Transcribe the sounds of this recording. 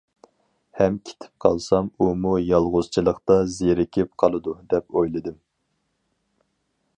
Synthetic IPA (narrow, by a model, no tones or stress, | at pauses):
hɛmkʲʰe̥t̪ʰɪ̥p̚qʰɑlˠsɑmumujɑlˠʁʊz̥t͡ʃʰilˠəqt̪ɑzeɾɪkʲʰɪp̚qʰɑlˠɨd̪ud̪ɛpojlˠɨd̪ɨm